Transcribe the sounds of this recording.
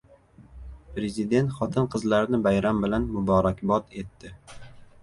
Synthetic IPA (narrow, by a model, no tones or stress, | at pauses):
pɾe̞zid̪e̞nt̪χɒt̪ʰɪnqʰɨzlaɾɪnɪbajɾambɪlanmʊbɒɾakʲbɒt̪e̞t̪ːɪ